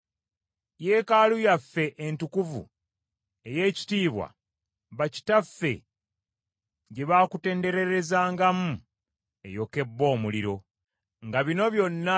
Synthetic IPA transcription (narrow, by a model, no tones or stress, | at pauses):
je̞ːkalujafːe̞ʔentukuvṵ | e̞je̞ːci̥tiːβwa̰ | βaci̥tafːe̞̰ | ɟe̞βaːkute̞ːnde̞ɾe̞ɾe̞zaːŋɡamu | e̞̰jo̞ke̞bːo̞ːmuliɾo̞ | ŋɡaβino̞βjo̞nːa